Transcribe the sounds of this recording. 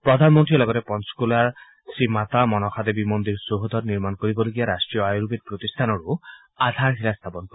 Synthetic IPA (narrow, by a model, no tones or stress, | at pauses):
pɾɔd̪ʱanmɔnt̪ɾilɔɡɔt̪epɔnskulaɾ | simat̪amɔnɔkʰad̪ebimond̪iɾsoɦod̪ʱɔɾniɾmankoɾibɔloɡiaɾasʈɾijɔajɾubid̪̚pɾot̪ist̪ʰanɔɾu | ad̪ʱaɾɦilast̪ʰapɔnkɔ